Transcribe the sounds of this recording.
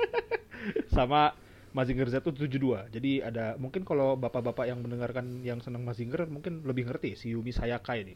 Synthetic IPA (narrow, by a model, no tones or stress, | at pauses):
sama | maziŋɡərzat̪ut̪ud͡ʒuduad͡ʒadiadamuŋkɪnkalowbapabapajaŋmənəŋarkanjaŋsənəŋmaziŋɡərmuŋkɪnləbɪhŋərt̪isiumisajakajini